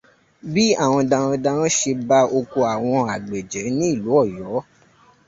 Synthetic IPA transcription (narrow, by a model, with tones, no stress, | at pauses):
bi˦a˦˨w̃ɔ̃˧dã˧ɾɔ̃˧dã˧ɾɔ̃˦ʃe˧ba˦o˧ko˧a˨w̃ɔ̃˧a˨ɡ͡be˨d͡ʒɛ˨˦nĩ˦i˦˨lu˨˦ɔ˦˨jɔ˨˦